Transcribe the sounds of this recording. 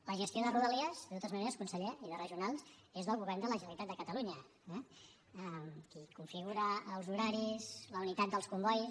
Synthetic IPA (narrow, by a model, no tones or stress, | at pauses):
ləʒəst̪ioðəruðəliəzðət̪ot̪əzməneɾəskunsəʎeiðərəʒiunalˠzezðəlˠɣuβɛrnd̪ələʒənlit̪at̪̚d̪əkət̪əluɲə | ɛ | əmkikuɱfiɣuɾəːlˠzuɾaɾizləunit̪at̪̚d̪əlˠskumbɔj